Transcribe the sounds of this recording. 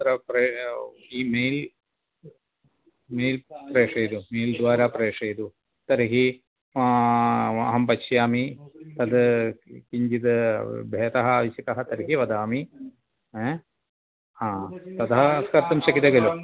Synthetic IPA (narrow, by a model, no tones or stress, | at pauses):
t̪ɾɐpreː | iːmeːjl | meːjlpreːʂejd̪umeːld̪ʋaːɾapreːʂejd̪u | t̪ɐɾɐɦi | ɐ̰ɦɐmpɐɕjaːmit̪ɐd̪ɨkiɲd͡ʒit̪ɨbʱeːt̪ɐɦɐaːʋɐɕjɐkɐɦɐt̪ɐɾɐɦiʋɐd̪aːmi | e | aːt̪ɐd̪ɐɦɐskɐɾt̪ɐmɕɐkid̪ɐɡɐlu